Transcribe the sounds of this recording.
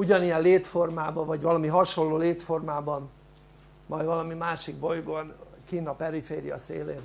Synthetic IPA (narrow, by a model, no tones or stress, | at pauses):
uɟɒnijɛlleːt̪fo̞rmaːbɒvɒɟvɒlɒmiɦɒʃo̞lːoːleːt̪fo̞rmaːbɒn | mɒjvɒlɒmimaːʃiɡbo̞jɡonkiːnɒpɛɾifeːɾijɒ̰sḛːleːt